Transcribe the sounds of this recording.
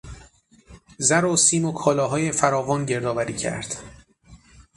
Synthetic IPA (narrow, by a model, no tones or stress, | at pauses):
zæɾosiːmokʰɒːlɒːɦɒːje̞fæɾɒːvɒːnɟe̞ɾd̪ɒːvæɾiːcʰæ̰ɾd̪̥